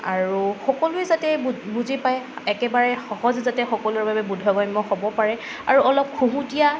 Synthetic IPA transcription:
aɹuxɔkɔlʊɛzatɛbbuzipajɛkɛbaɹɛxɔhɔzzatɛxɔkɔlʊɹbabɛbudʱɔɡɔjmɔhɔbɔpaɹɛ | a̰ɹuɔlɔp̚kʰũɦũtija

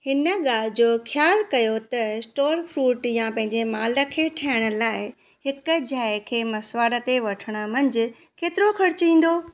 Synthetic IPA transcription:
hɪnə̆ɠaːlɪd͡ʑoːxjaːlkɐjot̪ɐsʈoːɾfɾuːʈjãpɐ̃ɦɪ̃ɲd͡ʑemaːlə̆kʰeʈʰaːɪɽ̃ə̆laːɪ | ɦɪk̆d͡ʑaːɪkʰeːmɐsʋaːɾə̆t̪eʋɐʈʰəɽ̃ə̆mɐ̃ɲd͡ʑɪ̆ | keːt̪ɪɾokʰɐɾɪt͡ɕĩːn̆d̪oː

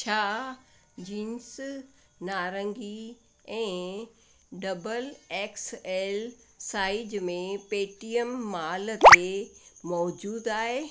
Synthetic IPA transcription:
t͡ɕʰaː | d͡ʑiːns | naːɾə̃ŋɡi | ɛ̃ː | ɖɐbəleːkseːl | saːɪd͡ʑmẽpeːʈijəmːaːlt̪emɔːd͡ʑuːd̪aːɦe

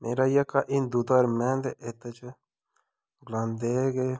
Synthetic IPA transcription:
meːɾaːjakaʔind̪ud̪aːɾmɛ̃ːnd̪eʔet̪et͡ʃ | ɡlãːnd̪eɡe

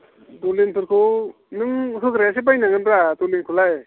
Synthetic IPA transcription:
dolinpʰɯɾkʰɯ | nɯŋɦɯkʰɾas̬ebajnaŋɯnbɾadolinkʰulaj

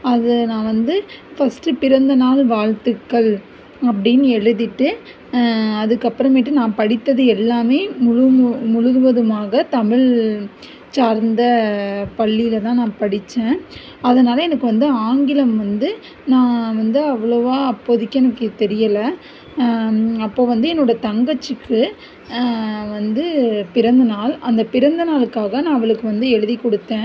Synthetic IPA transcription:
ɐðɯnãːʋɐnd̪ɯfɐsʈːɯpɪɾɐnd̪ɐnaːlʋaːɻt̪ɯkːɐɭ | ɐp̬ːɐɽɪjnːɛɻɯðɪʈːɯ | ɐðɯkːɐpːɯɾɐmɛʈːɯnãːpɐɽɪt̪ːɐðɯɛlːaːmeːmʊɻɯmʊɻɯɾʋɐðɯmaːɣɐt̪ɐmɪɭ | t͡ʃaːɾnd̪ɐpɐɭːɪjɪlɐt̪ãːnãːpɐɽɪt͡ʃːẽː | ɐðɐnaːlɐɛnɐkːɯʋɐnd̪ɯaːŋɡɪlɐmʋɐnd̪ɯ | nãːʋɐnd̪ɯɐʋːɐɭɔʋaːɐpːoːðɪkːɐɛnɐkːɯt̪ɛɾɪjɐlɐ | ɐpːoːʋɐnd̪ɯɛnːoːɽɐt̪ɐŋɡɐt͡ʃːɯkːɯ | ʋɐnd̪ɯpɪɾɐnd̪ɯnaːlɐnd̪ɐpɪɾɐnd̪ɯnaːlɯkːaːɣɐnãːɐʋɐɭɯkːɯʋɐnd̪ɯɛɻɯðikːɔɽɯt̪ːẽː

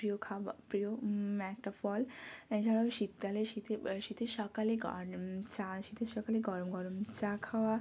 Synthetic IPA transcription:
pɾijokʰaapɾijomɛkʈɔfɔlɛ̃ʃaɽaʃit̪ːaleʃit̪ʰeʃit̪ʰeʃɔkaleɡɔ̰t͡ɕaʃit̪ʰeʃɔkaleɡɔɾomɡɔɾomt͡ɕakʰawa

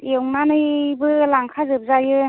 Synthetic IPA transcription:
ewŋnanɯjbɯlaŋkʰazɯp̚zajɯ

